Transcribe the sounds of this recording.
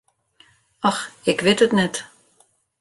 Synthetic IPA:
ɔxɪkʋɪtətnɛt

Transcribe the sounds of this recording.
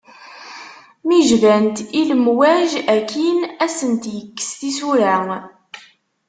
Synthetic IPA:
miʒvænt̪iləmwæʒækːinæsənt̪jəkːə̥st̪isuɾæ

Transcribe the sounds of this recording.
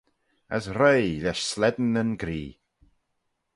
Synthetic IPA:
ə̰sɾejlɛʃslɛd̪n̩ənɡɾiː

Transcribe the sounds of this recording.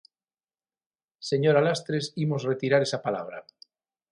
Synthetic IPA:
se̞ɲoɾalast̪ɾesimozret̪iɾaɾesapala̰β̞ɾa̰

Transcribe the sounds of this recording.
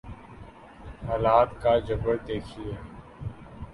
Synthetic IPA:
haːlaːt̪kaːd͡ʒəbəɽd̪eːkʰieː

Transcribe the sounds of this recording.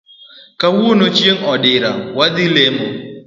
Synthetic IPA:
kawonot͡ʃjeŋɔdɪɾa̰wad̪ɪlemo

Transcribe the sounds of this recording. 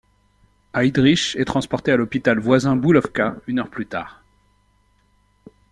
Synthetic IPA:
ajd̪ʁiʃɛt̪χɑ̃spɔʁt̪ealɔpit̪alvwazɛ̃bulɔfkaynœʁplyt̪a̰ːʁ

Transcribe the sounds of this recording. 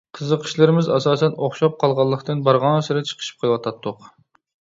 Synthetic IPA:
qʰəzəqʰə̥ʃlɪɾɪmɪzɑsɑːsɛnoχʃɑp̚qʰɑlˠʁɑlˠːəqt̪ɨnbɑɾʁɑnsɨɾɪt͡ʃʰə̥qʰə̥ʃi̥p̚qʰəlˠwɑt̪ʰɑt̪ʰːʊq

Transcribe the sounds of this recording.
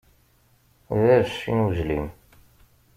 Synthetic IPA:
ðæɾʃːḭnuʒlḭm

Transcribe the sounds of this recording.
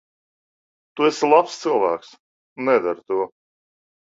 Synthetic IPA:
t̪uɛslˠapst̪sɨlˠvæːks | nːɛd̪aɾt̪uɔ

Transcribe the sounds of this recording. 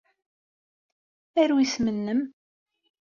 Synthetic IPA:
æɾwismənːəm

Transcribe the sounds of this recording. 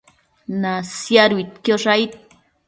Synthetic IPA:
nasjaɾujt̪kjoʂajt̪̚

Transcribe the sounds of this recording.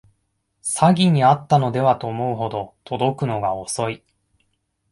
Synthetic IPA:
saɡʲiɲ̟iat̪ːano̞d̪e̞βat̪o̞ːmo̞ɯ̟ɦo̞d̪o̞t̪ʰo̞d̪o̞kɯ̟no̞ɡao̞so̞i

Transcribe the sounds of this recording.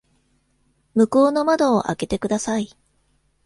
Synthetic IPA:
mɯ̟koːno̞mad̪o̞ːʔa̰ke̞t̪e̞kɯ̟d̪asai

